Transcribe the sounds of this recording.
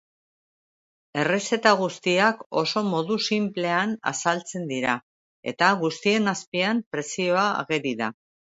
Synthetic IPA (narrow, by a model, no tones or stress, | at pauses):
e̞rese̞t̪aɣust̪iako̞̰so̞mo̞ðusimple̞ana̰salt͡se̞nd̪iɾa | e̞̰t̪aɣust̪ie̞naspiampɾe̞sio̞a̰ːɣeɾiða